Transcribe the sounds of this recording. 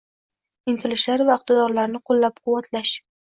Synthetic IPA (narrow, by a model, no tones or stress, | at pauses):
ɪŋt̪ʰɪlɪʃlaɾvaʊq̚t̪ɪd̪ɒɾlaɾnɪqʰolˠːap̚qʰʊwat̪ʰlaʃ